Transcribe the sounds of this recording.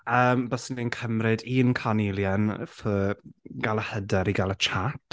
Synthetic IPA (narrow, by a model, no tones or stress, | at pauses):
əːmbɔsənenkʰəmrɪdiːnkʰanilˠjɛnfəɡalˠəhədɛɾiɡalˠət͡ʃʰatʰ